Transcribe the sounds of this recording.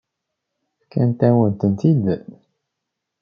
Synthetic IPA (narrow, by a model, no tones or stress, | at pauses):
kænt̪æwənt̪ənt̪id̪